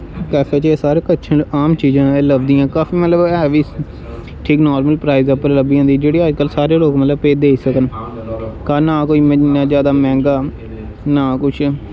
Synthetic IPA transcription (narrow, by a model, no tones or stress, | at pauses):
kɛːfʰeːt͡ʃːsaːɾeːkətːʃʰəɳɖaːmt͡ʃiːd͡ʒãːɛːləbd̪ijãːkaːfiːmət̪ləbɛːʋiː | ʈʰiːknɔːɾməlpɾaːizəpːəɾləbiːãːnd̪iːd͡ʒeːɽiːəd͡ʒkəlsaːɾeːloːkmət̪ləbpeːd̪eːiːsəkən | kaːnaːkoːiːməãːzjaːd̪aːmɛ̃ːŋɡaː | naːkʊt͡ʃʰ